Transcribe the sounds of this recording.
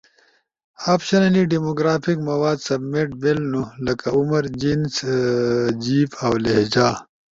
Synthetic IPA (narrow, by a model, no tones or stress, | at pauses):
aːpɕɐnɐliɖimoɡɾaːpikmɐwaːd̪sɐbmeʈbelnulɐkaumɐɾd͡ʑins | d͡ʑiːfɐwleɦd͡ʑaː